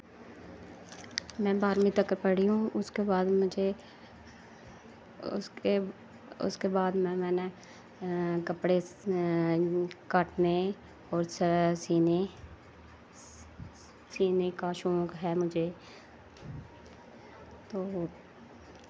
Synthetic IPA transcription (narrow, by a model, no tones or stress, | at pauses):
mɛ̃ːbaːɾmĩt̪əkəɾpəɽiũʊskebaːd̪mʊd͡ʒʱe | ʊ̰ske | ʊ̰skebaːd̪mɛ̃ːmɛ̃ːne | kəpɽe | kaʈne | ɔːɾssiːne | siːnekaʃõːkɦɛːmʊd͡ʒʱeː | t̪oː